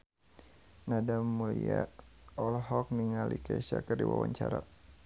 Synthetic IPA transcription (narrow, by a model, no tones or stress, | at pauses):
nadamːuliaɔlɦɔk̚niŋalikɛsakərdiwawaɲt͡ʃaɾa